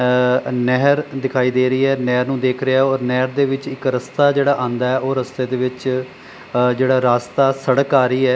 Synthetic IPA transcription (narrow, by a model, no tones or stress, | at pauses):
nɛːɾd̪ɪkʰaːiːd̪eːɾəiːɛːnɛːɾnũːd̪eːkʰɾɪaːɛɔːɾnɛːɾd̪eːʋɪt͡ʃɪkɾəst̪aːd͡ʒeːɽaːʔãːnd̪aːɛːʔoːɾəst̪eːd̪eːʋɪt͡ʃ | d͡ʒeːɽaːɾaːst̪aːsəɽkaːɾiːɛː